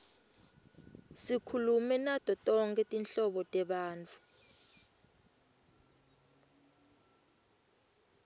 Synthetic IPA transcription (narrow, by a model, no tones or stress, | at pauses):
sikʰulumɛnatʼɔtʼɔŋkʰʼɛtʼinɬɔɓɔtʼɛɓaːnt͡fʰu̥